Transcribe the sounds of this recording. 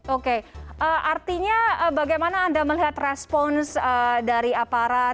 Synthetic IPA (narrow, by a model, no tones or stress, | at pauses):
okeʔəʔart̪iɲaəbaɡajmanaːndaməliɦat̪rɛspɔnsədaɾiapaɾa